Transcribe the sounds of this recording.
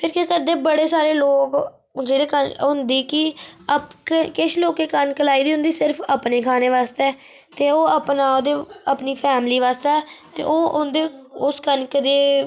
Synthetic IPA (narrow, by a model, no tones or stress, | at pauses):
pʰɪɾkekəɾd̪eːbəɽeːsaːɾeːloːk | d͡ʒeːɽeːkəɦʊnd̪iːkɪəpkkɪʃloːkeːkənkəlaːiːd̪iːɦʊ̃nd̪iːsɪɾpʰəpneːkʰaːneːʋaːst̪eɛː | t̪eːoːəpnaːod̪eːəpniːpʰɛːmliːʋaːst̪eɛːt̪ḛːʔoːʊnd̪eʊskənkəd̪eː